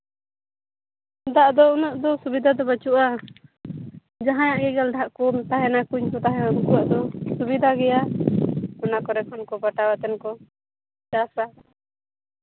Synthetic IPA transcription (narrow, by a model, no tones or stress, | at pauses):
d̪aʔd̪ɔunɔʔd̪ɔsubid̪ʱad̪ɔbat͡ʃuʔa | d͡ʒaɦãjaʔɡɛɡɛld̪ʱaʔkɔt̪aɦɛnakuɲkɔt̪aɦɛɔnkuwaʔd̪ɔsubid̪ʱaɡɛja | ɔnakɔɾɛkʰɔnkɔbaʈawat̪ɛnkɔ | t͡ʃasa